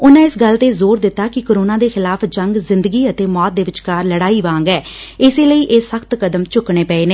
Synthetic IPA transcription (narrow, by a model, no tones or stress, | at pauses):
ʊnãːɪsɡəlt̪eːzoːɾd̪ɪt̪ːaːkɪkoːɾoːnaːd̪eːxɪlaːpʰd͡ʒəŋɡzɪnd̪əɡiːət̪eːmɔːt̪̚d̪eːʋɪt͡ʃkaːɾləɽaːiːʋãːŋɡɛːɪseːləiːʔeːsəkʰt̪kəd̪əmt͡ʃʊkɳeːpɛːeːneː